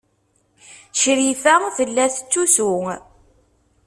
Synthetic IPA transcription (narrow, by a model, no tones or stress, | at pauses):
ʃɾifəfəlːæθt͡sːusuŋ